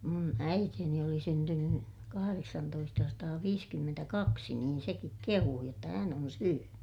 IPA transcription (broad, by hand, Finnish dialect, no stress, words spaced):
mun æiteːni oli syntynːy kɑhɑreksɑntoistɑsɑtɑːʋiːskymːentækɑksi niːn sekik kehuː jotːɑ hæn on syøny